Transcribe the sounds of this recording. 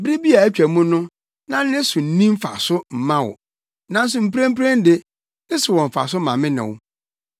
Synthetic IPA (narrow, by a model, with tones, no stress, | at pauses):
bɾi˦bi˦a˨æ˦t͡ɕᶣæ˨mũ˦nʊ̃˦ | nã˦n˦ɪ̃˦sʊ̃˨n̩˦nĩ˦m̩˦fa̰˨sʊ˦m̩˨mã˦wʊ̰˨ | nã˦n̩˦s̬ʊ̃˨m̩˨pɾæ̃˦m̩˦pɾẽ˦n˦dɪ˦ | ɪ˦sɪ˨wɔ̃˨ɱ˨fa̰˨s̬ʊ˦mã˨mɪ̃˦nɪ̰̃˨wʊ˦